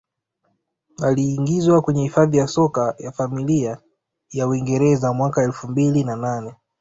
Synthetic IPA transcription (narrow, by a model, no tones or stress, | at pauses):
aliːŋɡizwakwɛɲɛhifaðijasɔkajafamilia | jauwiŋɡɛɾɛzamwakaɛlfumbilinananɛ